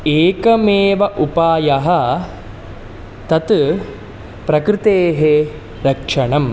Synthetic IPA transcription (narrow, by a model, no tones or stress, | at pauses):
eːkɐmeːʋɐʔupaːjɐɦɐ | t̪ɐt̪ | pɾɐkɾɪt̪eːɦe | ɾɐkʂɐɳɐm